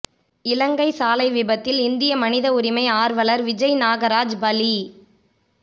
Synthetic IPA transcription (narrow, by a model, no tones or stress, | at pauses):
ɪlɐŋɡɐɪsaːlɐɪʋɪbɐt̪ːɪlɪnd̪ɪjɐmɐnɪðɐʊɾɪmɐɪaːɾʋɐlɐɾʋɪd͡ʒɐɪnaːɣɐɾaːd͡ʒbɐli